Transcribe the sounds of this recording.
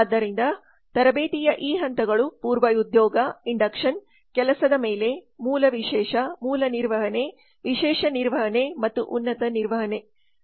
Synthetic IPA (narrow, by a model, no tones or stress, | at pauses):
d̪ːɐɾind̪ɐ | t̪ɐɾɐbeːt̪ijɐʔiːɦɐnt̪ɐɡɐɭupuːɾʋɐjud̪jɔːɡɐiɳɖɐkʂɐn | kɛlɐsɐd̪ɐmeːle̞muːlɐʋiʃɛːʂɐmuːlɐniɾʋɐɦɐne̞ | ʋiʃɛːʂɐniɾʋɐɦɐnemɐt̪ːuʔunːɐt̪ɐniɾʋɐɦɐne̞